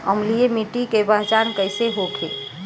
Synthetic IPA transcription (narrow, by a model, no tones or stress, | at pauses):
əmliemiʈikebəɦd͡ʒankəɪseɦokʰe